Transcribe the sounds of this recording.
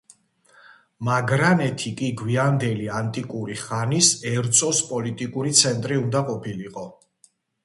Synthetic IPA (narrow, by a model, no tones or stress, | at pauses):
maɡɾanɛt̪ʰikʼiɡwiand̪ɛliant̪ʼikʼuɾiχanisɛɾt̪sʼɔspʼɔlit̪ʼikʼuɾit̪sʰɛnt̪ʼɾiund̪aqʼɔpʰiliqʼɔ